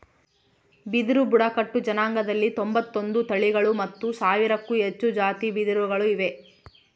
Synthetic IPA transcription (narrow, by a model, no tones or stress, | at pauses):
bid̪ɾubuɽɐkɐʈːud͡ʒɐnaːŋɡɐd̪ɐlːit̪ombɐt̪ːo̞nd̪ut̪ɐɭiɡɐɭumɐt̪ːusaːʋiɾɐkːuet͡ʃːud͡ʒaːt̪ibid̪ɾuɡɐɭuiʋe̞